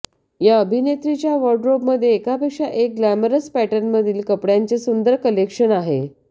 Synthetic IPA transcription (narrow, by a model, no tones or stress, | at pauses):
jaəbʱinet̪ɾit͡ɕjaʋəɾɖɾobməd̪ʱjeːkapekʂaʔek̚ɡlæməɾəspæʈənməd̪ʱiːlkəpɽjant͡sesund̪əɾkəlekʂənaɦe